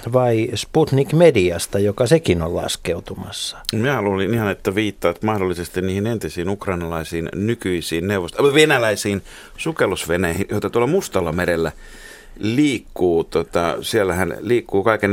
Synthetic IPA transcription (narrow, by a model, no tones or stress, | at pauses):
ʋɑisput̪nikmediɑst̪ɑjokɑsekino̰llɑ̰skeut̪umɑ̰sːɑ̥miæɑlulinihɑnet̪ːæʋiːt̪ːɑːt̪mɑhdolːisest̪inniːhinent̪isiːnukrɑinɑlɑisiːnnykyisiːnneuʋost̪ʋenælæisiːn | sukelːusʋenæhinjoˑit̪ɑt̪uolːˑɑmust̪ɑlːɑmeɾelːæ | liːkːuːt̪ot̪ɑsielːæhænliːkːuːkɑiken